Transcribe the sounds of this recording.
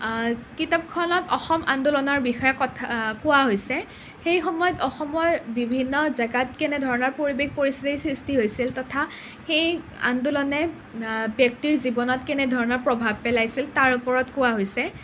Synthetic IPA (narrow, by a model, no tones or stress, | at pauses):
kitap̚kʰɔnɔtɔxɔma̰ndulɔnɔɹbixɔjɔkɔtʰkʊwaɦojsɛ | xejxɔmɔjɔtɔxɔmɔjbibʱinːɔzaɡatkɛnɛdʱɔɹɔnɔɹpoɹibexpoɹistitisɹistiɦojsiltɔtʰa | xej | a̰ndulɔnɛ | bjɔk̚tiɹzibɔnɔtkɛnɛdʱɔɹɔnɔɹpɹɔbʱabpɛlajsiltaɹupɔɹɔtkʊwaɦojsɛ